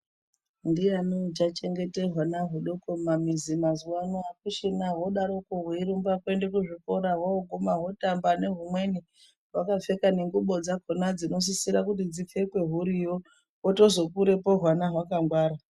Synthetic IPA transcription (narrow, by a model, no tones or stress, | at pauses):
ndijanod͡ʒat͡ʃe̞ŋɡete̞rwanaɦuɗo̞komamizimazuwanoakuʃinaɦo̞ɗaɾokoɦweiɾumbakwendekuʐiko̞ɾaɦooɡomaɦo̞tambane̞ɦumwe̞ni | ɦwakafe̞kaneŋɡuɓo̞d͡zakonad͡zino̞s̬isiɾakutid͡zife̞kwe̞ɦuɾijo | woto̞zo̞kuɾe̞po̞ɦwanaɦwakaŋɡwaːɾa